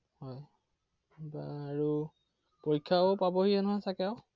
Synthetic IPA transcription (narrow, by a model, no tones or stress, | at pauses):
hɔj | baːɹu | poɹikʰːaopabɔɦijɛnɔɦɔjsakɛaw